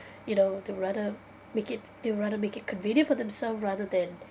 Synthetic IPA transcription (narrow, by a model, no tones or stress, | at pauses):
junoʊd̪ewɹadə | mekɪt̚d̪ewəɹadəmekɪt̚kʰə̃nvĩnjə̃nfɔðɛ̃msɛlfɹaðəd̪ɛ̃n